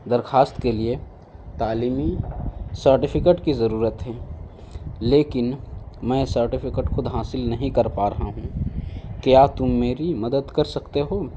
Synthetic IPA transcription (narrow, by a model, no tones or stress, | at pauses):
d̪ɐɾxʰaːst̪kelie | t̪aːliːmisəɾʈɪpʰɪkeʈkizɐɾuːɾət̪ɦɛː | leːkɪnmɛ̃ːsəɾʈɪpʰɪkəʈxʊd̪ɦaːsɪlnɐɦĩkɐɾpaːɾɐɦaɦũːkjaːt̪ʊmːeːɾimɐd̪əd̪kɐɾsɐkt̪eɦoː